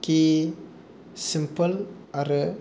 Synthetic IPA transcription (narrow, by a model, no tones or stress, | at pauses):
ki | sɪmpəl | aɾə